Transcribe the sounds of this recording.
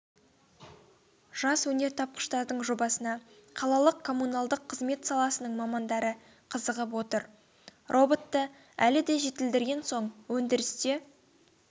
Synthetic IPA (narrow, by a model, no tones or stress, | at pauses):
ʒ̥ɑswɵne̞ɾt̪ʰɑp̚qə̥ʃt̪ɑɾd̪əɴʒo̞bɑsənɑqʰɑlˠɑlˠəqkʰo̞munɑlˠd̪əqʰːəzme̞t̪sɑlˠɑsənəɴmɑmɑnd̪ɑɾə | qʰəzəʁəp̬wo̞t̪əɾ | rʔo̞bo̞t̪ːə | ælɪd̪e̞ʒe̞t̪ɪld̪ɪɾɡʲe̞nso̞ɴwɵnd̪ɪɾɪst̪e̞